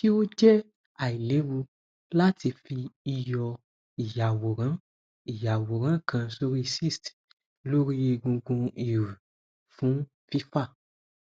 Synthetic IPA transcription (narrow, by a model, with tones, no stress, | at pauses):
ki˦o˦d͡ʒɛ˦ | a˨i˨le˨˦ɾu˧ | la˦tʰi˧fi˧i˧jɔ˧ | i˨ja˨wo˨ɾã˨˦ | i˨ja˨wo˨ɾ̃ã˨˦˨kʰã˧so˦ɾi˦˧si˦˨st | lo˦ɾi˦i˧ɡũ˧ɡũ˧i˨ɾu˨ | fũ˨˦ | fi˦fa˦˨